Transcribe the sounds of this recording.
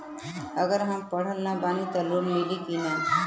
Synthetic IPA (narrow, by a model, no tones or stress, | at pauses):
əɡəɾɦɐmpɐɽ̤əlnabaːnit̪ɐloːɾmɪlikinɛ̃ː